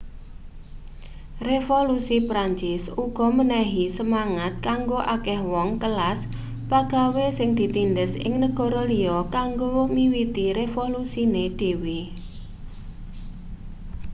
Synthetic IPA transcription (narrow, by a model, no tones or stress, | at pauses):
refolusipɾaɲt͡ʃɪsuɡ̥ɔ̤mənɛɦisəmaŋat̪̚kaŋɡoʔakɛhwɔŋkəlas | paɡ̥a̤wesɪŋd̪̥i̤t̪indəsɪ̰ŋnəɡ̥ɔ̤ɾɔliɔkaŋɡomiwit̪iɾefolusined̪̥e̤wi